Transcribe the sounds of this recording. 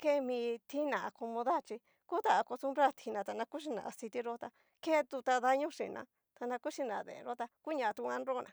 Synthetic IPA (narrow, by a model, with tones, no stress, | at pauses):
ke˦˧mĩ˧t̪ʰi˦nã˨a˧ko˧mõ˧ða˦˨t͡ʃi˧ | ku˦t̪a˧a˧ko˧st̪u˧mɾa˦t̪ʰi˧nã˧t̪a˧nã˧ku˦ʃ̬i˧nã̰˨ʔa˧si˧t̪i˦ɾo˦t̪a˧ | ke˦˧t̪u˧t̪a˧ða˧ɲũ˦ʂḭ˨nã̰˧ | t̪a˧nã˧ku˦ʃi˧nã˨˧˨ðḛ˨˧ɾo˦t̪a˧ku˦ɲã˧˨˧t̪u˧ã˧˦nɾo˦nã̰˨